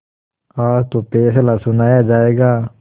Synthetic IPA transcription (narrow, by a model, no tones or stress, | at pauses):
aːɾt̪opeːslasʊnaːjad͡ʒaːeːɡaː